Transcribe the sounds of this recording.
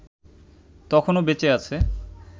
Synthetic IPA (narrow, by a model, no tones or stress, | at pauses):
t̪ɔkʰonobet͡ɕeat͡ɕʰe